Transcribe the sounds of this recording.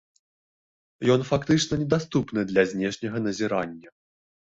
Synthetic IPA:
jɔnfakt̪ɨt͡ʂnɐnʲɛd̪ast̪upnɨd̪lʲɐzʲnʲɛʂnʲɐɣɐnɐzʲiɾanʲːɐ

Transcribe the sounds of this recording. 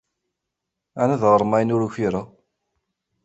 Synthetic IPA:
ænæðʁəɾˤmæjnʊɾuçiɾə

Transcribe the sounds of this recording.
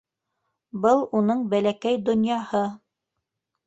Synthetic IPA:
bɤlˠunɤɴbælækæjd̪ŏnjɑhɤ

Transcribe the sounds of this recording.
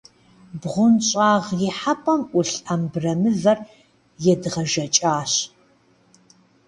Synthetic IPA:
bʁʷʊnt͡ʃɕʼaːʁjɪħapʼɐmʔʷʊɬʼɐmbrɐmɨvɐr | jɛdɨʁɐʒɐt͡ʃʼaːɕ

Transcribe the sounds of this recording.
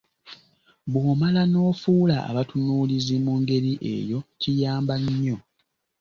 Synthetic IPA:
βwoːmalano̞ːfuːlaa̰βatunuːlizimuŋɡe̞ɾiʔe̞̰jo̞cijaːmbaɲːo̞

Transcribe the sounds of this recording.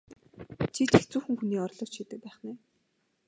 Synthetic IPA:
t͡ɕʰit͡ɕʰext͡suːxɘ̆ŋxuniːɔrɮɞ̆ːt͡ɕʃʰiːt̪ɘ̆k̚pæːχnæː

